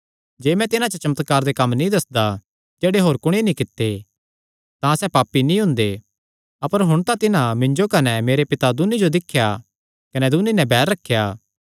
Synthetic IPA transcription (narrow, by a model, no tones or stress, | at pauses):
d͡ʒeːmɛ̃t̪ɪnãt͡ʃət͡ʃɐmət̪kaːɾd̪ekɐmːnĩd̪ɐsd̪a | d͡ʒeːɽeɦoːɾkʊɽ̃enĩkɪt̪ːe | t̪ãsɛpaːpːinĩɦʊ̃nd̪e | ɐpəɾɦʊɽ̃t̪ãt̪ɪnãmɪ̃ɲd͡ʒokɐnɛmeːɾepɪt̪ad̪ʊnid͡ʒod̪ɪkʰːja | kɐnɛd̪ʊnːinɛ̃bɛːɾːɐkʰːjaː